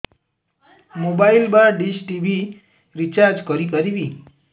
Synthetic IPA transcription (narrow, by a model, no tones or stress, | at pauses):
mobailbaɾɖiʃʈiʋi | ɾit͡ʃaɾd͡ʒkɔɾikəɾiʋi